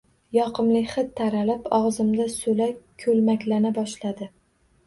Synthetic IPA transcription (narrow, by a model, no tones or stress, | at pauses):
jɒqʰɨmlɪχɨt̪ʰːaɾalɪpɒʁzɪmd̪asɵlakʲʰɵlmakʲlanabɒʃlad̪ɪ